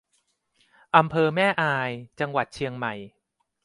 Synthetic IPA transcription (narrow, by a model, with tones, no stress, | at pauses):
ʔa˧mpʰɤː˧mɛː˥˩ʔaː˧jt͡ɕa˧ŋwa˨˩t̪̚t͡ɕʰi˧əŋma˨˩j